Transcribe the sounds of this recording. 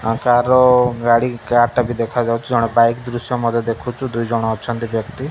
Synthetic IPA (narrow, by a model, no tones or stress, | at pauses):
ãkaɾɔɡaɽikaʈabid̪ekʰad͡ʒawt͡ʃʰud͡ʒɔɽ̃ɔbajkd̪ɾusjɔmɔd̪ʱjɔd̪ekʰut͡ʃʰud̪ujd͡ʒɔɽ̃ɔɔt͡ʃʰɔnt̪ibjɔkt̪i